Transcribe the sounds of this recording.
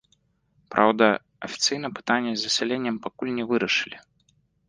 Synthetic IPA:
pɾʔa̰wd̪ɐ | ɐfʲi̥t̪sɨjnɐpɨ̥t̪anʲːɛzʲːɐsʲɛlʲenʲːɛmpakulʲnʲɛvɨɾɐʂɨ̥lʲi

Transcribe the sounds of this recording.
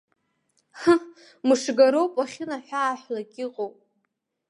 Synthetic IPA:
xa | mɨʂɡaɾowpʼaχʲɪnaħʷᶣaːħlakʲʼɪqʼowpʼ

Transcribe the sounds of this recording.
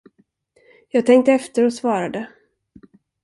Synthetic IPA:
jɑːɡ̚t̪ʰɛŋk̚t̪əɛft̪əɾɔsvɑːɾad̪ə

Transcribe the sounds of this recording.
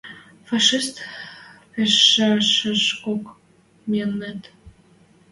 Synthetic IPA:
fɑʃist̪peʃeʃəʃkok | melnet̪

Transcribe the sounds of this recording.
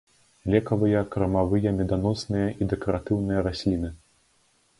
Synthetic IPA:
lʲɛkɐvɨjɐkɾɐmavɨjɐmʲɛd̪anɔsnɨjɐʔid̪ɛkɐɾat̪ɨwnɨjɐɾasʲlʲinɨ

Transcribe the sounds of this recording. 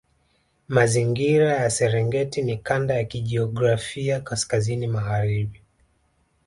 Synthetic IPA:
maziŋɡiɾajasɛɾɛŋɡɛtinikandajakiʄiɔɡɾafiakaskazinimaɣaɾiɓi

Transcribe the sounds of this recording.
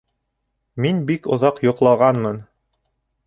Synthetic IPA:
minbikŏ̰ðɑqjŏqlˠɑʁɑnmɤn

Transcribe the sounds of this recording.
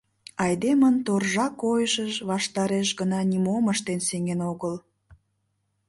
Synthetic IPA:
ɑjd̪emənt̪orʒɑkːojəʃəʒβɑʃt̪ɑɾeʃɡənɑnʲimoməʃt̪enseŋenoɣəl

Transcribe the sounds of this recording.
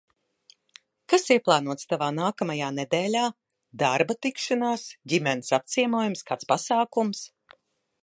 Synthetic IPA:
kasiɛplˠaːnuɔt̪st̪avaːnaːkamajaːned̪eːlʲaː | d̪aɾbat̪ikʃanaːsɟʲimʲɛnsap̚t̪siɛmuɔjumskaːt̪spasaːkums

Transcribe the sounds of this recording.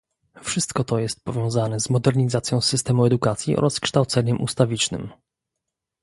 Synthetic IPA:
fʂɘst̪kɔt̪ɔjɛst̪̚pɔvʲjɔ̃w̃zanɛzmɔd̪ɛɾɲizat̪sʲjɔ̃w̃sɘst̪ɛmuɛd̪ukat̪sʲjiʔɔ̰ɾʔaskʂt̪awt̪sɛɲɛmʔṵst̪avʲit͡ʂnɘ̰m

